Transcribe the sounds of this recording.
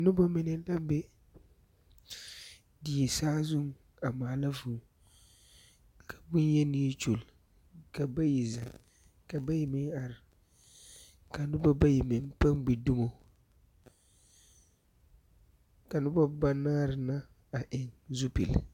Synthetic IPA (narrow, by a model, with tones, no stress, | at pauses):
nʊ˦bɔ˦mɪ˨nɪ˦da˦bɛ˦ | di˨ɛ˨saː˦zʊ˦ŋ | a˨maː˨la˦vuː˨ | kʰḁ˨bʊ˦njɛ˦ni˦ɛ˦t͡ʃu˨l | ka˨ba˦ji˨za˨ | ka˨ba˦ji˨mɪ˦ŋa˨ɾɪ˨ | ka˨nʊ˦ba˦ba˦ji˨mɪ˨ŋpa˦mbi˨dʊ˦mo˨ | ka˨nʊ˦ba˦ba˦naː˦ɾɪ˨na˦ | a˨ʔɪ˨ŋzu˦pḛ˨l